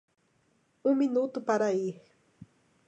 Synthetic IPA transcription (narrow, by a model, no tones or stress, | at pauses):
ʊminut̪ʊpaɾaih